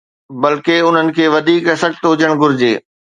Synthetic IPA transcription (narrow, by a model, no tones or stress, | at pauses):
bɐlkeʊn̤ənɪ̆kʰeːʋɐd̪ʱiːkɐsɐkt̪ɦʊd͡ʑəɽ̃ɡʊɾɪd͡ʑeː